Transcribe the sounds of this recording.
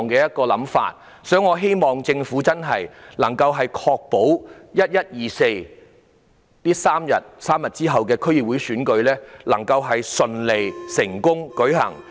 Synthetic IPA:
ŋkɛː˧jɐ˥t̚kɔː˧lɐ̰˨˥mfa̰ː˧t̚ | sœː˨˥ŋɔː˨˧ɦe˥jmɔː˨ŋt͡sɪ˧ŋfuː˨˥t͡sɐ˥nɦɐ˨jlɐ˨˩ŋkɐ˧wɦɐ˨jkʰɔː˧k̚po˨˥wjɐ˥t̚jɐ˥t̚jiː˨se˧j | t̪iː˥saː˥mjɐ˨t̚saː˥mjɐ˨t̚t͡siː˥ɦɐ˨wkɛː˧kʰɵ˥ɥji˨˩p̚wu˨˥jsyː˨˥nkɵ˧ɥlɛː˥lɐ̰˨˩ŋkɐ˧wɦɐ˨jsɵ˨nle˨jsɪ˨˩ŋkʊ˥ŋkɵ˨˥ɥɦɐ̰˨˩ŋ

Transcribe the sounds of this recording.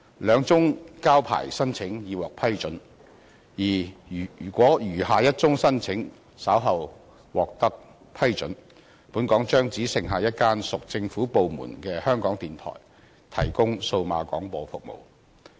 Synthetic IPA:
lœː˨˧ŋt͡sʊ˥ŋkaː˥wpʰa̰ː˨˩jsɐ˥nt͡sʰɪ˨˥ŋjiː˨˧wɔː˨k̚pʰɐ˥jt͡ʃɵ˨˥n | jiː˨˩˨ | kʷɔː˨˥jyː˨˩haː˨˧jɐ˥t̚t͡sʊ˥ŋsɐ˥nt͡sʰɪ˨˥ŋ | sɐ˨˥wɦɐ˨˧w | wɔː˨k̚t̪ɐ˥k̚ | pʰɐ˥jt͡sɵ̰˨˥n | puː˨˥nkɔː˨˥ŋt͡ʃœː˥ŋt͡siː˨˥sɪ˨˩ŋɦaː˨jɐ˥t̚kaː˥nsʊ˨k̚t͡sɪ˧ŋfuː˨˥po˨wmṵː˨˩nkɛː˧hœː˥ŋkɔː˨˥ŋt̪iː˨nt̪ʰɔ̰ː˨˩j | t̪ʰɐ̰˨˩jkʊ˥ŋso˧wmaː˨˧kɔ̰ː˨˥ŋpɔː˧fʊ˨k̚mo̰˨˩w

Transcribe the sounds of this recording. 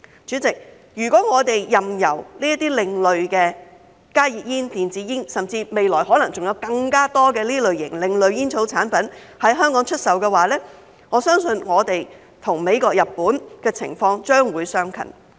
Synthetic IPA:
t͡ʃyː˨˥t͡sɪ˨k̚ | jyː˨˩kɔː˨˥ŋɔː˨˧t̪e˨jːɐ˨mjɐ̰˨˩wliː˥jɐ˥t̪iː˥lɪ˨ŋlɵ˨ɥkɛː˧ | kaː˥jiː˨p̚jiː˥nt̪iː˨nt͡siː˨˧jɪ˥ŋsɐ˨mt͡siː˧me˨jlɔː˨˩jɦɔː˨˥lɐ˨˩ŋt͡sʊ˨ŋjɐ˨˧wkɐ˧ŋkaː˥t̪ɔː˥kɛː˧liː˥lɵ˨ɥjɪ̰˨˩ŋlɪ˨˧ŋlɵ˨ɥjiː˥nt͡sʰo˨˥wt͡sʰaː˨˥npɐ˨˥n | hɐ˨˥jɦœː˥ŋkɔː˨˥ŋt͡ʃʰɵ˥t̚sɐ˨wkɛː˧waː˨˥lɛː˥ | ŋɔː˨˧sœː˥ŋsɵ˧nŋɔː˨˧t̪e˨j | t̪ʰʊ˨˩ŋme˨˧jkɔː˧k̚jɐ˨pːuː˨˥nkɛː˧t͡sʰɪ̰˨˩ŋfɔː˧ŋt͡ʃœː˥ŋwuː˨˧jsœː˥ŋkʰɐ̰˨˩n

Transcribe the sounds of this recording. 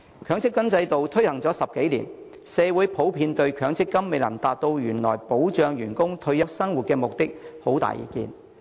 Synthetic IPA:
kʰœː˨˧˥ŋt͡sʰɪ˥kwɐ˥nt͡sɐ˧jt̪o˨wt̪ʰɵ˥ɥhɐ˨˩ŋt͡sɔː˨˥sɐ˨p̚ke˨˥jlḭ˨˩n | sɛː˨˧wuː˨˥jpʰo˨˥wpʰiː˧nt̪ɵ˧ɥkʰœː˨˥ŋt͡sʰɪ˥kːɐ˥mːe˨jlɐ˨˩mt̪aː˨t̚t̪o˧wjyː˨˩nlɔ̰ː˨˩jpo˨˥wt͡ʃœː˨˧ŋjyː˨˩nkʊ˥ŋt̪ʰɵ˧ɥjɐ˥k̚sɐ˥ŋwu˨t̚kɛː˧mʊ˨k̚t̪ɪ˥k̚ho˨˥wt̪a̰ː˨jḭː˨˩kḭː˧n

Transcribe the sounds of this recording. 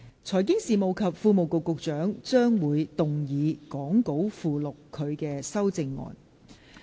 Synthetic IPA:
t͡sʰɔː˨˩jkɪ˥ŋsiː˨˩mo˨wkʰɐ˨p̚fuː˧mo˨wkʊ˨kːʊ˨k̚t͡ʃœː˨˥ŋt͡ʃœː˥ŋwuː˨˧jt̪ʊ˨ŋjiː˨˧kɔː˨˥ŋko˨˥wfuː˨lʊ˨kʰːɵ˨˧ɥkɛː˧sɐ˥wt͡sɪ˧ŋːɔ̰ː˨n

